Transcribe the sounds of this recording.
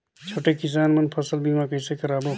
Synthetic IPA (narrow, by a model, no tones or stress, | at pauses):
t͡ʃʰoʈekis̬aːnmənpʰəsəlbimakəjsekəɾaːbo